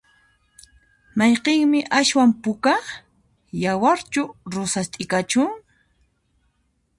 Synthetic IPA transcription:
mɑjqeŋmɪʔaswampʊka | jawaɾt͡ʃʊɾʊsast̪ʼɪkat͡ʃʊŋ

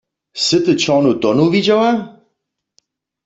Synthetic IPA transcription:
sɨt̪ɨt͡ɕɔnut̪ɔnuvid͡ʑawa

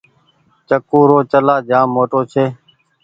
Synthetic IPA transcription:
t͡ʃəkuːɾoːt͡ʃəlaːd͡ʒaːmːoːʈoːt͡ʃʰeː

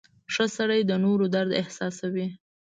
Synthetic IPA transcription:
ʂəsaɽajd̪ənoɾod̪aɾd̪ɪhsɑsawi

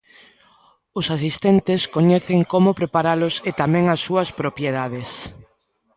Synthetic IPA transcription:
ʊsasist̪ɛnt̪ɪskoɲɛθeŋkomʊpɾepaɾalʊset̪amɛ̃ŋasːuɐspɾopjeð̞aðes

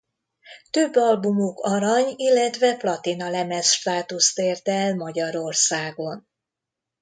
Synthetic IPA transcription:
t̪øbːɒlbumokɒɾɒɲilːɛt̪ʋɛplɒt̪inɒlɛmɛsʃt̪aːt̪ust̪eːrt̪ɛlmɒɟɒɾo̞rsaːɡo̞n

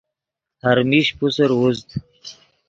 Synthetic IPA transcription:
haɾmiʃpusaɾwuzd̪

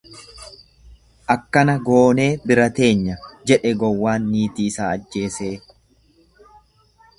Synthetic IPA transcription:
ʔɐkːɐnɐɡo̞ːne̞ːbɪɾɐt̪e̞ːɲːɐd͡ʒɛᶑɛɡɔwːaːnːiːt̪iːsaːɐd͡ʒːe̞ːse̞ː

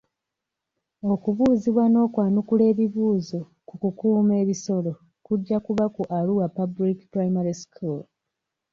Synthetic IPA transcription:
o̞kuβuːziβwano̞ːkwaːnukule̞ːβiβuːzo̞ | kukukuːme̞ːβiso̞lo̞ | kuɟːakuβakuʔaluwapabuɾiki̥pɾaimaɾiskʰul

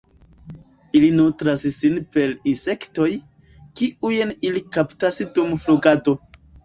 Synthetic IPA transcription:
ilinutɾassinpe̞ɾinse̞kto̞j | kiʔujenilikaptasdumfluɡado̞

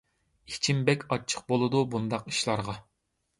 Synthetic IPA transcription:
it͡ʃʰimbɛkʲʰɑt͡ʃʰə̥q̚bolˠɨd̪ubund̪ɑqi̥ʃlˠɑɾʁɑ

